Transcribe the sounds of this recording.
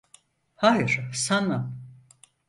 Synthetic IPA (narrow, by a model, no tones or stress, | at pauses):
hajɯɾsanam